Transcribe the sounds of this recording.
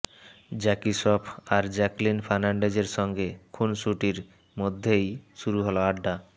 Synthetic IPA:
d͡ʑɛkiʃɔpʰaɾd͡ʑɛklinfʰaɾnaɳɖed͡ʑeɾʃɔŋɡekʰunʃuʈiɾ | mod̪ʱːejʃuɾuɦɔlaaɖːa

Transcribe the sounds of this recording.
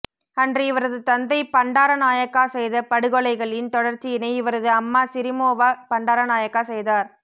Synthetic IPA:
ɐndriɪʋɐɾɐðɯt̪ɐnd̪ɐɪpɐɳɖaːɾɐnaːjɐkːaːsɛjðɐpɐɽɯɣɔɭɐɪɣɐɭɪnt̪ɔɽɐɾt͡ʃːɪjɪnɐɪɪʋɐɾɐðɯɐmːaːsɪɾɪmoːʋaːpɐɳɖaːɾɐnaːjɐkːaːsɛjðaːɾ

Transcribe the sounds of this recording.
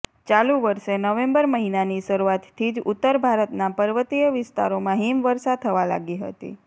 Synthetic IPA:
t͡ʃalũʋəɾʃenəʋẽmbəɾməɦinaniʃəɾuat̪ʰːid͡ʒʊt̪ːəɾbʱaɾət̪napəɾʋət̪ijəʋɪst̪a̰ɾomãɦimʋəɾsad̪̚t̪ʰəʋala̰ɡiɦə̰t̪ḭ

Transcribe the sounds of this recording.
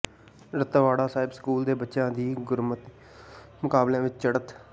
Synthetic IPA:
ɾət̪aʋaːɽaːsaːɪbskuːld̪eːbətːʃãːd̪iːɡʊɾmət̪ | mʊkaːblẽːʋɪt͡ʃt͡ʃəɽət̪

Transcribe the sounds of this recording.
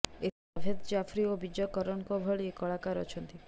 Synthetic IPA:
et̪ | ɔbʱed̪d͡ʒafʰɾiobid͡ʒɔkɔɾɔnkɔbʱɔɭikɔɭakaɾɔ̰t͡ʃʰɔnt̪i

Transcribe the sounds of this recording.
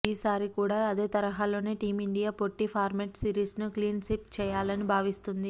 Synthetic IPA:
iːsaːɾikuːɽaːɐd̪e̞ːt̪ɐɾɐɦaːlo̞ːne̞ːʈiːmiɳɖijaːpoʈːipʰaːɾmeːʈsiːɾiːsnukliːnsipt͡ʃɛːjaːlɐnibʱaːʋist̪und̪i

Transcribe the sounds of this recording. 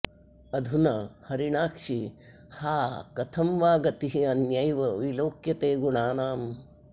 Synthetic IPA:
ɐd̪ʱunɐhɐɾiɳaːkʂi | haːkɐt̪ʰɐmʋaːɡɐt̪iɦiɐnjɐjʋɐʋiloːkjɐt̪eːɡuɳaːnaːm

